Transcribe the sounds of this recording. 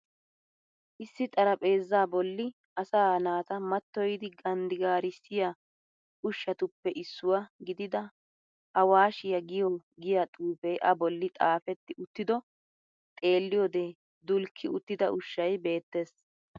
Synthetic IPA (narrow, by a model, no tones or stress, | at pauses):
ʔɪsːɪt̪ʼɐɾɐpʼe̞ːzːaːbɔlːɪ | ʔɐsaːnaːt̪ɐmɐt̪ːɔjd̪ɪɡɐnd̪ɪɡaːɾɪsɪjɐ | ʊʃːɐt̪ʊpːɛʔɪsːʊwɐɡɪd̪ɪd̪ɐ | ʔɐwaːʃɪjɐɡɪjɔɡɪjat̪ʼuːfɛjʔɐbɔlːɪt̪ʼaːfɛt̪ːɪʔʊt̪ːɪd̪ɔ | t̪ʼe̞ːlːɪjɔd̪eː | d̪ʊlkʰːɪʊt̪ːɪd̪ɐʔʊʃːɐjbe̞ːt̪ːe̞ːs